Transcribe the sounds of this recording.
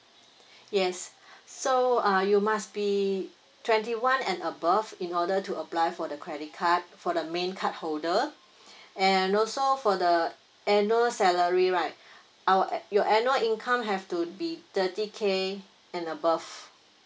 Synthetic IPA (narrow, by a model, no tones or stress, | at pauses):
jɛsːoajumasbi | tʰwɛ̃ntiwãnɛ̃nəbafĩnɔdətuəplajfɔdəkʰɹɛdit̚kʰat̚fɔdəmẽnkʰat̚holdə | ɛ̃nɔlsofɔdə | ɛnuəlsɛləɹiɹaɪt̚ | awəjɔʔɛnjuəlĩnkʰãmɦɛftubitətikʰe | ɛ̃nəbav